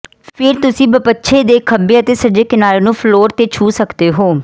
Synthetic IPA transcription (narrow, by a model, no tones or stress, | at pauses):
pʰɪɾt̪ʊsĩːbəpətːʃʰeːd̪eːkʰəbeːət̪eːsəɾd͡ʒeːkɪnaːɾeːnũːpʰloːɾt̪eːt͡ʃʰuːsəkd̪eːɦoː